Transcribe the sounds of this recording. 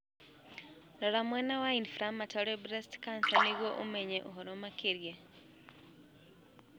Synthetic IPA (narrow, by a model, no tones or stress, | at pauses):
lolamwɛnawainfɾamatʰoɾibɾestkansaniɣwoʔumeɲeʔuɦoɾomakiɾje